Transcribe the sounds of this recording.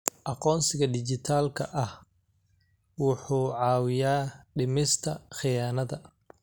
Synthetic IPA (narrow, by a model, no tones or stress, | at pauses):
ʔɑqɔːnsɪɣɐd̪ɪt͡ʃɪt̪ʰaːlkʰɐ̰ʔɐh | wʊħuːʕɑːwɪjaːɖɪmɪst̪ʰɐχɪjaːnɐðɐ